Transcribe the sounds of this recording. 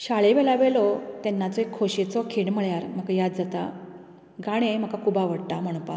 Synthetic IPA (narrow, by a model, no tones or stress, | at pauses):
ɕaɭeʋɛlaʋelɔt̪ɛnːat͡sɔekʰːoɕet͡sɔkʰeɳməɭjaɾm̤əkajad̪̚d͡zat̪a | ɡaɽ̃em̤əkakʰubaʋəɽʈ̪am̤əɽ̃pa̰